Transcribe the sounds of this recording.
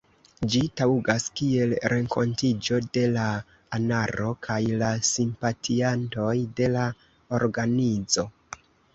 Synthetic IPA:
d͡ʒitauɡaskie̞lɾe̞ŋko̞̰ntid͡ʒo̞de̞la | anaɾo̞kʰajlasimpatʰianto̞jde̞la | oɾɡanid͡zo̞

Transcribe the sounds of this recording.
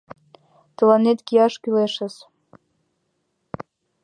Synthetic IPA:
t̪ə̆lɑnet̪kijɑʃkyleʃə̆s

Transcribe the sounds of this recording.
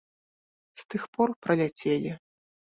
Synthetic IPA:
st̪ɨxpɔrpɾɐlʲat͡sʲelʲi

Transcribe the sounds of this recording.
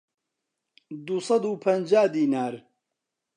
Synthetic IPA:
d̪usɑd̪uːpʰɐnd͡ʒaːd̪iːnaːɾ

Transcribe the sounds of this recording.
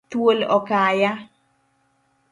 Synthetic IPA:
t̪wolɔkaja

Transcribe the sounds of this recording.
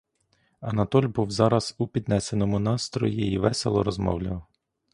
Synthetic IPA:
ɐnɐt̪ɔlʲbuwzɑɾɐz̥upʲid̪nɛsenɔmʊnɑst̪ɾɔ̰jiiʋɛselˠɔ̰ɾɔzmɔ̰wlʲɐw

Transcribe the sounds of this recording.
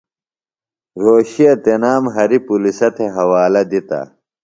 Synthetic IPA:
ɾoːɕiɐt̪enaːmɦɐɾipulisɐt̪ʰeɦɐwaːlɐd̪it̪ɐ̰

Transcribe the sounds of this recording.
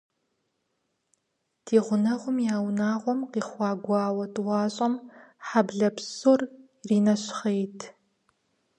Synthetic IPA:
tʰiːʁʷʊnɐʁʷʊmjaːwnaːʁʷɔmqiːχʷɑːɡʷɑːwɐtʰʼwɑːɕʼɐmħabɮɐpsor | riːnɐɕχejtʰ

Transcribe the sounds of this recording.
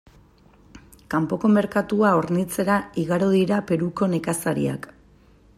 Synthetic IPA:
kampo̞ko̞me̞ɾkat̪uaoɾnit͡se̞ɾaiɣaɾoðiɾape̞ɾuko̞ne̞kasaɾḭa̰k

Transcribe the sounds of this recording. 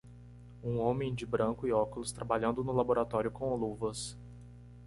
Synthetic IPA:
ũõmẽj̃d͡ʒɪbɾɐ̃ŋkʊɪɔkʊlʊst̪ɾabaʎɐ̃nd̪ʊnʊlaboɾat̪ɔɾjʊkõoluvɐs

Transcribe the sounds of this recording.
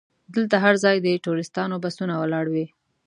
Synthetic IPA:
d̪əlt̪aɦaɾzɑjd̪əʈuɾɪst̪ɑnobasunawəlɑɽwi

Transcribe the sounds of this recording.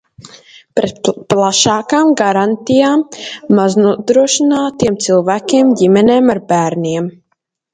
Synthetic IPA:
pɾɛt̪plˠaʃaːkaːmɡaɾant̪ijaːmːaznuɔd̪ɾuɔʃinaːt̪iɛmt̪silˠvæːkʲiɛmɟimɛneːmaɾbæːɾnʲiɛm

